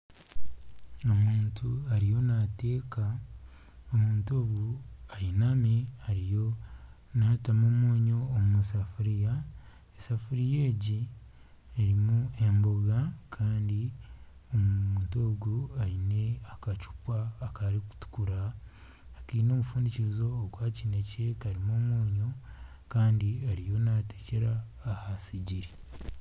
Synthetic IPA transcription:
o̞muːntuaɾijo̞nate̞ːka | omuːnto̞ːɡuajinameaɾijo | natamomwoːɲo̞ːmmusafuɾija | esafuɾijeːɟi | eɾimue̞mboɡakʰaːndi | omuuntoːɡuaine̞akat͡ʃu̥pwaːkaɾiku̥tu̥kuɾaː | kiːno̞ːmufuːndiciɾizo̞ːɡwaːcinece̞kaɾimoːmwoːɲo̞ | kaːndiaɾijo̞nateceɾaː | hasiɟiɾi

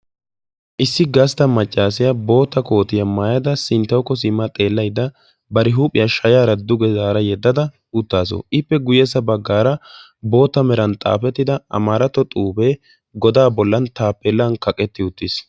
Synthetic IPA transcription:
ʔɪsːɪɡɐst̪ɐmɐt͡ʃʼːaːs̬ɪjɐbo̞ːt̪ːɐko̞ːt̪ɪjɐmaːjɐd̪ɐsɪnt̪ːɐwkːɔs̬ɪmːɐt̪ʼe̞ːlːɐjd̪ːɐ | bɐɾɪɦuːpʼɪjɐʃɐjaːɾɐd̪ʊɡɛzaːɾɐjɛd̪ːɐd̪ɐ | ʊt̪ːaːs̬o̰ʔɪpːɛɡʊjɛs̬ɐbɐɡːaːɾɐ | bo̞ːt̪ːɐmɛɾɐnt̪ʼa̰ːfɛt̪ːɪd̪ɐɐ̰maːɾɐt̪ːɔt̪ʼuːbeː | ɡɔd̪aːbɔlːɐnt̪aːpːɛlːɐnkɐkʼɛt̪ːɪʊt̪ːɪs

